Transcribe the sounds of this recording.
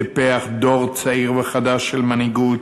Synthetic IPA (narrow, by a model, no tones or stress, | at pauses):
epeaχd̪o̞ʁt͡saiʁveχad̪aʃːelmaniɡut̪